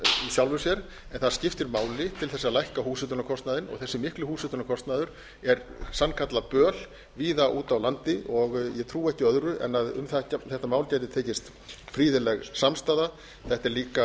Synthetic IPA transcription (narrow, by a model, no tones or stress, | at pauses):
isjawlvʏsjɛɾ | ɛnθaðscɪft̪ɪɾmaːwlɪt̪ʰɪlθɛsːalajhkahuːsɛt̪ʏnakʰɔst̪naðɪnɔ̰ɣθɛsːɪmɪhklʏhuːsɛt̪ʏnakʰɔst̪naðʏɾ̥ | ɛɾsankʰat̪lapœːl | viːðaʔuːt̪awlant̪ɪʔɔɣjɛt̪ʰɾuːɛhcɪœðɾʏʔɛ̰nːaðʏ̰mθɛcaθɛht̪amaːwlcajt̪ɪt̪ʰeːjcɪst̪ | fɾiːðɪlɛɣsamst̪aːða | θɛht̪ɛɾliːka